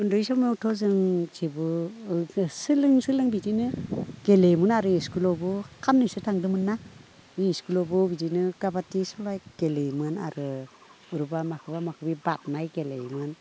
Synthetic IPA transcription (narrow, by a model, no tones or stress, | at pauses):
undujsɔmeutʰɔzɯŋt͡ʃʰibɯ | sɯlɯŋsɯlɯŋbidinɯɡ̥elejmɯnaɾɯhiskulɔbɔkʰamnijsutʰaŋdɯmɯnːa | iskulɔbɯbidinɯɡabatisɔlajɡ̥elejmɯna̰ɾɯ | uɾubamakʰɯbamakʰɯbibat̚majɡelḛjmɯn